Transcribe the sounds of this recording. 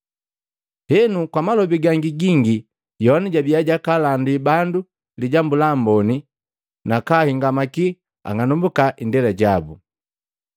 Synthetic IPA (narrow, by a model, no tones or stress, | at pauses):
hɛnukwamalɔbiɡaŋɡiɡiŋɡi | jɔniɟabijaɟakalandibandu | liɟambulambɔni | nakahiŋɡamaki | a̰ŋanumbukaʔindɛlaɟabu